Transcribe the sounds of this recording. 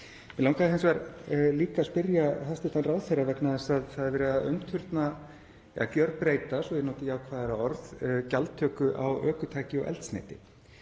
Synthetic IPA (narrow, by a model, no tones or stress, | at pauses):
mɛlaw̃ŋkaðhejnsvɛɾliːkaspɪɾjaθast̪ɪht̪anraːwθejrːavɛknaðɛsaðθaðvɪɾɪðaʔœ̰ɥmt̪ʰʏɾt̪na | a̰acœɾpɾeːjt̪asɔjɛnoːt̪ɪjaːwkʰvaːðɪɾaɔɾðcalt̪ʰːœːkʏʔa̰wœːkʏt̪ʰaːcɪɔ̰ɣʔɛ̰lt̪snḛːjt̪ɪ